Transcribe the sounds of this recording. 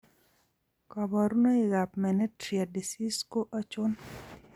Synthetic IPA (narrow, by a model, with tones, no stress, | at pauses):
kɔ˨bɔ˨ɾuno˦ɪ˨ɡa˨pmɛ˨nɛ˦tɾi˨a˨di˨si˦sko˦ʔa˦t͡ʃʊ˦n